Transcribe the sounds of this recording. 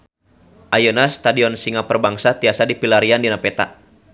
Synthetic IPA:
ʔajonast̪adiɔnsiŋapərbaŋsat̪iasadipilaɾiandinapɛt̪a̰

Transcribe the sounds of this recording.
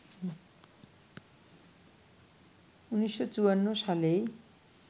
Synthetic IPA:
unisjʌt͡suwʌnːosale

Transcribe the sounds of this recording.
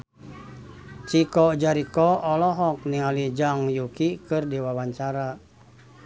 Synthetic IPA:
t͡ʃikɔd͡ʒaɾikɔɔlɔɦɔk̚niŋalid͡ʒaŋjukikɨrdiwawaɲt͡ʃaɾa

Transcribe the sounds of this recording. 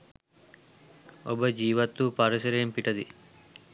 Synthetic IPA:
obəd͡ʒiːʋɐt̪ːupɐɾɐsɐɾeempiʈɐd̪i

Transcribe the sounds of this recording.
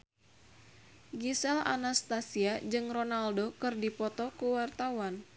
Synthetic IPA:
ɡisɛla̰nast̪asiad͡ʒɨŋronaldokɨrdipɔt̪ɔkuwart̪awan

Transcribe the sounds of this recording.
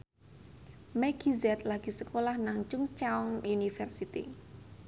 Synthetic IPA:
mɛɡ̥izɛt̪laɡ̥i̤səkolahnaŋt͡ʃʊŋt͡ʃaɔŋunifɛrsit̪ḭ

